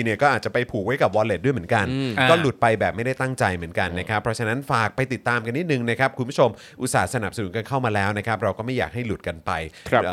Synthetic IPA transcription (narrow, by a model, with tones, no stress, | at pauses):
i˧ni˨˩ɐkɔː˥˩ʔaː˨˩t̪̚t͡ɕa˨˩pa˧jpʰuː˨˩k̚wa˦˥jka˨˩p̚wɔː˧le˨˩t̚du˥˩m˩˦nka˧nkɔː˥˩lu˨˩t̪̚pa˧jbɛː˨˩p̚ma˥˩jda˥˩jt̪a˥˩ŋt͡ɕa˧jmɯ˩˦ənka˧nːa˦˥kʰɾa˦˥pʰːɾɔ˦˥t͡ɕʰa˧na˦˥nfaː˨˩k̚pa˧jt̪i˨˩t̪ːaː˧mka˧ntiː˥˩t̪̚nɯ˨˩ŋna˦˥kʰɾa˦˥p̚kʰu˧nbʰu˥t͡ɕʰo˧m | ʔu˧saː˩˦sa˧na˨˩psa˧nu˨˩˦nka˧nkʰa˥˩wmaː˧lɛː˦˥wna˦˥kʰɾa˦˥p̚ɾa˧wkɔː˥˩ma˥˩ja̰ː˨˩k̚ha˥˩jlu˨˩t̪̚ka˧npa˧jʰː